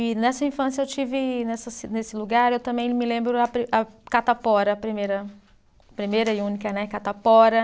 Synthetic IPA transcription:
ɪnɛsɐĩfɐ̃s̬jɐewt͡ʃivɪnɛsɐsnesɪluɡaɾewt̪ɐ̃mbẽj̃mɪlẽmbɾʊɐpɾiʔɐkat̪apɔɾɐːpɾimejɾɐ | pɾimejɾɐɪũnikɐnɛkat̪apɔɾɐ

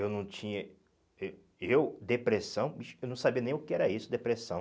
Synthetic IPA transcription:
ewnɐ̃w̃t͡ʃĩɲɐ | ew | ewd̪epɾesɐ̃w̃mɐʃewnɐ̃w̃sabiɐnẽj̃ʊkɪɛɾɐisʊd̪epɾesɐ̃

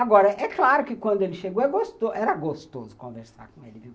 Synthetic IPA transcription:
aɡɔɾɐʔɛklaɾʊkɪkwɐ̃nd̪ʊelɪʃeɡoɛɡost̪oʔɛɾɐɡost̪o̰zʊkõveɾsa̰ɾkõelɪviw

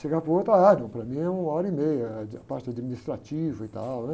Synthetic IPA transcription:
ʃeɡapɾɐot̪ɾɐanɐ̃w̃pɾɐmĩɛũɔɾɐimejɐapaɾt͡ʃɪad͡ʒiminist̪ɾat͡ʃivɐɪt̪awnɛ

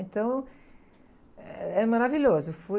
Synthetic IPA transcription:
ẽnt̪ɐ̃w̃ | ɛmaɾaviʎozʊfu

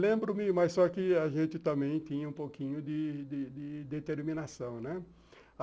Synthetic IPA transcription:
lẽmbɾʊmɪmɐssɔkɪaʒẽt͡ʃ̪ɪt̪ɐ̃mẽj̃t̪ĩɲɐũpowkĩɲʊd̪ɪd̪ɪd̪ɪd̪et̪eɾmĩnasɐ̃w̃nɛ

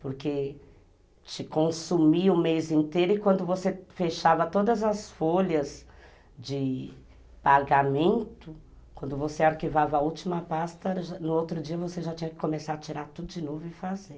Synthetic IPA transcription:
poɾke | t͡ʃɪkõsumiɐʊmejzĩnt̪ejɾʊɪkwɐ̃nd̪ʊvosefeʃavɐt̪od̪ɐzɐsfoʎɐz | d͡ʒɪ | paɡamẽnt̪ʊ | kwɐ̃nd̪ʊvoseaɾkivavɐut͡ʃimɐpast̪ɐʒanʊowt̪ɾʊd͡ʒiɐvoseʒat͡ʃĩɲɐkɪ̥komesaɾɐt͡ʃiɾaɾt̪ud̪ʊd͡ʒɪnovʊɪfazeɾ

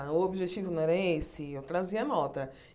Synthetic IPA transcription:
ʊobiʒet͡ʃivʊñɛɾɐɛesɪewt̪ɾaziɐnɔt̪ɐ

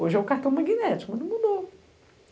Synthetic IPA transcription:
oʒɪɛʊkaht̪ɐ̃w̃mɐɡinɛt͡ʃɪ̥kmɐ̃d̪ɐ̃mud̪o

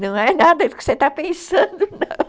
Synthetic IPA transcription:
nɐ̃w̃ɛnad̪ɐd̪ʊkɪ̥set̪apẽsɐ̃d̪ʊnɐ̃w̃

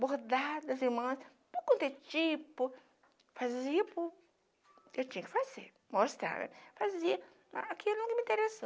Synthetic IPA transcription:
boɾd̪ad͡ʒd̪ɐziɾmɐ̃s | pokõnt̪et͡ʃipʊ | faziɐpʊ | ewtĩɲɐkɪ̥faz̥eɾ | most̪ɾa̰ɾ̰faziɐ | a̰akiewnɐ̃kɪmĩnt̪eɾesa

